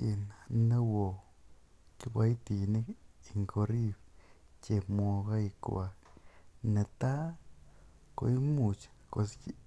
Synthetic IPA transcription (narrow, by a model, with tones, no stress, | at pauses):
i˧na˨na˦wo˨ | ki˦ba˦jt̪i˨ne˦i˨ŋɡo˧ɾi˦bt͡ʃe˧mo˧ɡa˦jkʷa˧ | ne˨t̪a˦ | ko̰˧jmu˧t͡ʃko˧sji˦